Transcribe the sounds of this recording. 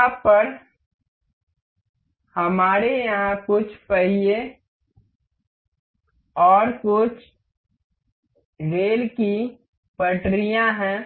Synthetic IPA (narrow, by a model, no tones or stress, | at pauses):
ãpəɾ | həmaːɾejɐɦãkʊt͡ʃʰpəɦije | ɔːɾkʊt͡ʃʰ | ɾeːlki | pəʈɾijãɦɛ̃ː